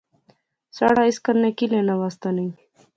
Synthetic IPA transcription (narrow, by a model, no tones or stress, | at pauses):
sa̰ɽaiskəɾnekilenawast̪anij